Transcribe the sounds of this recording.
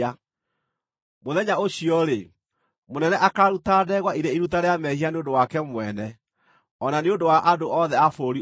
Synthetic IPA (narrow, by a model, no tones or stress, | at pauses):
a | moðɛɲaoɕiɔɾe | monɛnɛʔakaːɾutaːdɛɣwaiɾeiɾutaɾeamɛhianeondowakɛmwɛnɛ | ɔnaneondowaʔadoʔɔðɛafoːɾi